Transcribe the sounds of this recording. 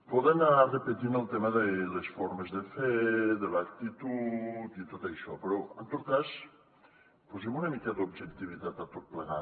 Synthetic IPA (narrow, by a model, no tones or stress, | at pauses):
pɔðenaarepet̪inəlˠt̪emɐðelesfɔɾmezðəfɛðelak̚t̪it̪ut̪it̪ot̪aʃɔ̰peɾɔent̪ot̪̚kas | pozemunamikaðobʒekt̪iβit̪at̪ɐt̪ot̪̚pleɣa̰